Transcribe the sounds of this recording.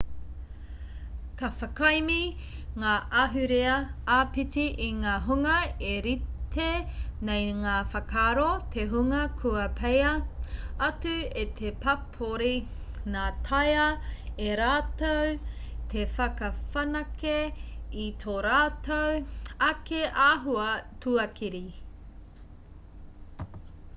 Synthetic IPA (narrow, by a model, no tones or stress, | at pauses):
kɐfɐkɐjmi | ŋaːɐɦʉɾeɐaːpitiʔiŋaːɦuŋɐeɾit̪ʰenejŋaːfɐkaːɾot̪ʰeɦuŋɐkʰuɐpʰejɐ | ɐtʉet̪ʰepɐpʰoɾi | ŋaːtʰɐjɐeɾaːtowt̪ʰefɐkɐfɐnɐkeit̪ʰoɾaːtowɐkeʔaːɦuɐtʰuɐkiɾi